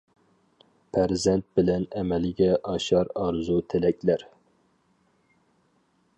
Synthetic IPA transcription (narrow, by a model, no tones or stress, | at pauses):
pʰæɾzɛnt̪̚bɪlɛnɛmɛlɡʲɛʔɑʃɑɾɑɾzut̪ʰelɛkʲlæɾ